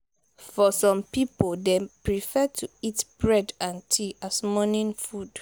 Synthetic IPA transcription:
fɔsɔ̃mpipoldɛ̃pɹifɛtʰuitb̥ɹɛdãntʰiʔasmɔnĩnfud̥

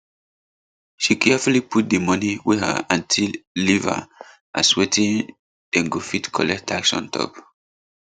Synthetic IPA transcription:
ʃikʰɛfuliput̚demʌniwihə̰ãntʰilːiva̰ | ʔa̰swetĩn | d̥ɛ̃ŋɡofitkʰɔ̰lɛk̚tʰaksɔ̰̃ntʰɔ̰p

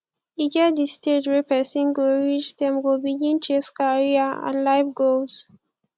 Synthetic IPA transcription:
iɡadisted͡ʒwepɛsĩnɡoɹit͡ʃdɛ̃mɡobiɡĩnt͡ʃeskaɹiaã̰nlaɪfɡos

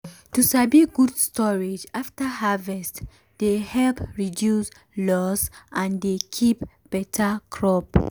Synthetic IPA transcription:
tusabiɡudstʰɔɹed͡ʒaftəhavɛst | d̥ehɛlpɹidjus | lɔsʔãndekʰip | b̥ɛtʰəkʰɹɔp

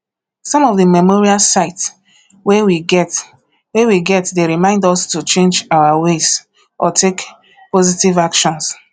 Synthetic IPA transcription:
sɔ̃mɔvdəmɛmɔɹialsaɪts | wewiɡɛt | wewiɡɛtdeɹimãɪ̃ndɔstut͡ʃẽnd͡ʒawawez | ʔɔ̰tʰek | pozitivakʃɔ̃ns

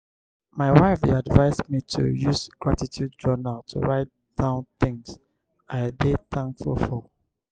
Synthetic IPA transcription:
maɪwaɪfiadvaɪzmitʰṵjuzɡ̥ɹatitʰjud̚d͡ʒɔnaltʰṵɹaɪt | d̥ãʊ̃nθɪ̃ŋs | aɪbeθãŋkfulˠfɔ

